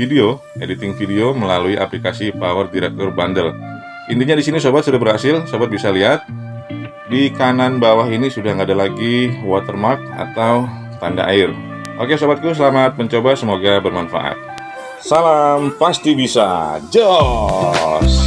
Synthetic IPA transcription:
fideo | edit̪ɪŋfideoməlaluiʔaplikasipawərdiɾɛk̚t̪ɔrbandəl | ʔint̪iɲadisinisobat̪̚sudabərhasɪlsobat̪̚bisaliɦat̪̚ | dikananbawaɦinisudahŋɡadalaɡiwat̪ərmark̚a̰t̪aw | t̪anda̰ʔaɪr | ʔokesobat̪̚kt̪us̬əlamat̪̚pəɲt͡ʃobasəmoɡabərmanfa̰ʔa̰t̪̚ | salampast̪ibisa̰d͡ʒɔ | s

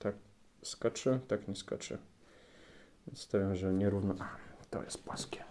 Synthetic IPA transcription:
t̪ak̚ | skat͡ʂɘt̪akɲɛska̰t͡ʂɘ̰ | vʲɛnst̪avʲjamʐɛɲɛɾuvnɔʔat̪ɔ̰jɛ̰st̪̚pwaskʲɛ

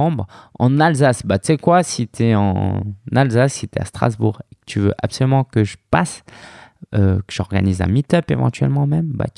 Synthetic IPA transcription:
ɑ̃bʁɑ̰̃nalzasbat̪y̥sɛkwasit̪yɛɑ̰̃nalzasːit̪ɛa̰st̪χa̰zbuʁekə̥t̪ʰyvø̰ʔapsɔlymɑ̃kəʒəpas | økə̥ʒɔʁɡa̰nizɛ̰̃mit̪œpevɑ̰̃t̪ɥɛ̰lmɑ̃mɛmba̰t̪

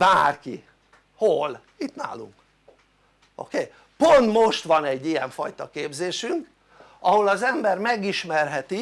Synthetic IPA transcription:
baːrki | hol | it̪na̰ːlṵŋk | o̰keː | po̞nt̪mo̞ʃt̪ʋɒnɛɟːijɛɱfɒjt̪ɒkeːbzeːʃyŋk | ʔɒho̞lɒzɛmbɛrmɛɡiʃmɛrɦɛt̪i

